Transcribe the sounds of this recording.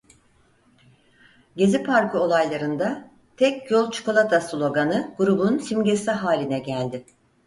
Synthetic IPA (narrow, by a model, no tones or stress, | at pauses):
ɟe̞zipʰaɾkɯo̞lˠajlˠaɾɯnd̪a | t̪ʰɛcjo̞lˠt͡ʃʰu̥kʰo̞lˠat̪ʰaslˠo̞ɡanɯɡ̥uɾubunsimɟesɛɦaːlʲinɛɟælʲd̪ɪ